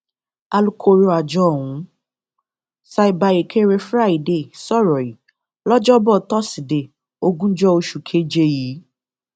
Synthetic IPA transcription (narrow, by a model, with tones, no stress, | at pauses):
a˧lu˦kʰo˧˦˧ɾo˧˦a˨d͡ʒɔ˦˨wũ˨˦ | sa˧i˨ba˧je˨kʰe˦ɾe˧˦fɾa˦˨i˨de˨sɔ˦˨ɾɔ˨i˨˦ | lɔ˦d͡ʒɔ˦bɔ˦˨tɔ˦si˨de˨ | o˧ɡũ˦d͡ʒɔ˦o˧ʃu˨kʰe˨˦d͡ʒe˧jiː˨˦